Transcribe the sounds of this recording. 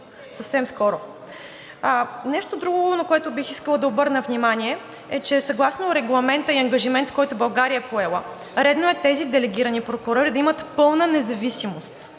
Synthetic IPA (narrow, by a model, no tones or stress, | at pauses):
sɐfsɛmskɔɾo | nɛʃt̪od̪ɾuɡonɐkoɛt̪ʊbixiskəlˠəd̪ɐobɤɾnəvnʲimanʲiɛ | ɛt͡ʃɛsɐɡlˠasnoɾɛɡlˠɐmɛnt̪əiɐŋɡɐʒimɛnt̪kɔjt̪ʊbɐlˠɡaɾiəpʰoɛlˠə | ɾɛd̪noɛt̪ɛzid̪ɛlɛɡ̟ʲiɾənipɾokʊɾɔɾid̪ɐimət̪pɤlˠnənɛzɐvisimost̪